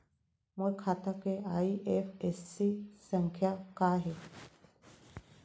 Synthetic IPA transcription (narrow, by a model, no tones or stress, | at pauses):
məkʰat̪akeaiʔefesːisəŋkʰjakaɦe